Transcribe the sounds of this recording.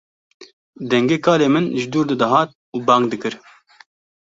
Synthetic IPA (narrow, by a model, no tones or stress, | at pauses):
d̪ɛŋɡeːkʰɑːleːmɨnʒɪd̪uːɾd̪ɨd̪ɐɦɑːt̪̚ | uːbɑːŋɡ̚d̪ɨkɨɾ